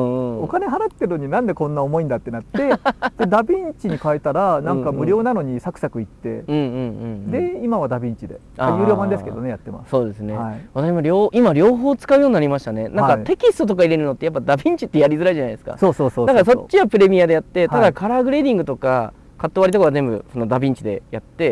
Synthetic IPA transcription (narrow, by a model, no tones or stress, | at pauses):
ɯ̃okane̞ɦaɾat̪ːe̞ɾɯ̟no̞ɲ̟inãnd̪e̞kõ̞nːaomo̞ĩnd̪at̪ːe̞nat̪ːe̞d̪̥ed̪abʲĩɲt͡ɕiɲ̟ikaet̪aɾanãŋkamɯ̟ɾʲo̞ːnano̞ɲ̟isakɯ̟sakɯ̟it̪ːe̞̰ɯ̟̃ːɯ̃ɴɯ̃d̪e̞imaβad̪abʲĩɲt͡ɕid̪e̞̰ | ajɯ̟ːɾʲoːbãnd̪eɨ̥ked̪oneja̰t̪ːe̞ma̰sso̞ːd̪e̞sɨne̞βat̪aɕimoɾʲo̞ːʔimaɾʲo̞ːɦo̞ːt͡sɨ̥kaɯjo̞ːɲ̟inaɾʲimaɕi̥t̪ane̞nãkat̪e̞kʲist̪o̞t̪o̞k̬aiɾe̞ɾɯ̟no̞t̪ːe̞japːad̪abʲĩɲ̟t͡ɕi̥t̪ːe̞jaɾʲizɨɾaiʑanaid̪sɨ̥ka̰soːsoːsod̪akaɾso̞t͡ɕːiβapɯ̟ɾe̞mʲijad̪e̞jat̪ːe̞t̪ad̪akaɾaːɡɯ̟ɾe̞d̪ĩŋɡɯ̟t̪o̞ka | kat̪ːoaɾʲit̪okoaɡazẽ̞mbɯ̟̰so̞no̞d̪abʲĩɲ̟t͡ɕid̪e̞̰jat̪ːe̞